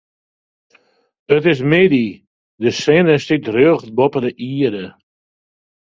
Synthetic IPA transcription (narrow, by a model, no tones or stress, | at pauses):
ətɪs̬mɪdi | dəsɛnəstitrøəɣt̚bɔpədəʔiədə